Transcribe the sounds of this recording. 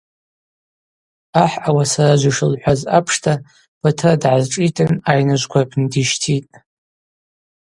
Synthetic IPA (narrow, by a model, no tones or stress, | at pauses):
aħawasarad͡ʒʷaʂɨlħʷaza̰pʰʂtʰa | b̥atʰɨradʕazʈ͡ʂʼitʰɨnajnɨʒʷɡʷabʰndiʃtʰitʼ